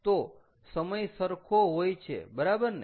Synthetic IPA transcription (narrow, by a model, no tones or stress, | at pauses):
t̪o | səməjsəɾkʰoɦojt͡ʃʰḛbəɾabəɾn